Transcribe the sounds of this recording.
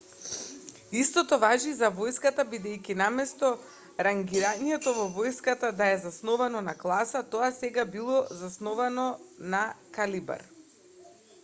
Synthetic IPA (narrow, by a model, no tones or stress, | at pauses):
ist̪ɔt̪ɔvaʒizavɔjskat̪abid̪ɛjkʲinamɛst̪ɔ | ɾaŋɡiɾaɲɛt̪ɔvɔvɔjskat̪ad̪aɛzasnɔvanɔnaklˠasat̪ɔasɛɡabilˠɔzasnɔvanɔnakaliba̰ɾ